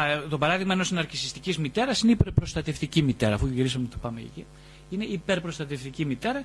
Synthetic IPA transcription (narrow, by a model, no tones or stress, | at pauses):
t̪o̞pɐɾɐðiɣmɐenosinɐɾcisist̪icizmit̪e̞ɾɐsineipeɾpɾo̞st̪ɐt̪eft̪icimit̪e̞ɾɐːfuʝiɾisɐmet̪o̥pɐmḛcḛci | ine̞ipe̞ɾpɾost̪ɐt̪eft̪icimit̪e̞ɾɐ